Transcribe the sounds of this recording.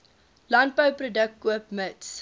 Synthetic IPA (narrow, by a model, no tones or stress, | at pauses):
lɐnt̚bəwprodək̚kːuəpməts